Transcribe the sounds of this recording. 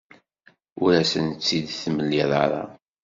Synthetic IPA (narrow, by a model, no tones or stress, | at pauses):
ʊɾæsənt͡sːid̪θməlːiðˤɑɾˤɑ̰